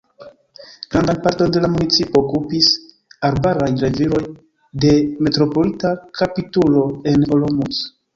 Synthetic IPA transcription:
ɡɾandanpaɾto̞nde̞lamunit͡sipoːkupis | aɾbaɾajɾe̞viɾo̞j | de̞me̞tɾo̞po̞litakʰapitulo̞e̞nolomus

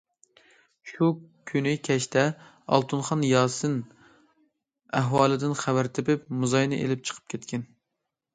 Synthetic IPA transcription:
ʃukʲʰynɪkʲʰɛʃt̪ʰɛ | ɑ̰lˠt̪ʰunχɑnjɑːsɨn | æɦwɑːlˠɨd̪ɪnχæwæɾt̪ʰɪpɪp̚muzɑjnɨ̰ʔḛlɪp̚t͡ʃʰə̥qʰə̥p̚kʲʰet̪kʲʰɛn

